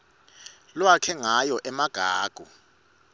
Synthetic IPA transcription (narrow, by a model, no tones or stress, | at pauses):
lwakʰɛŋajɔʔɛmaɡ̥ʱaːɡ̥ʱu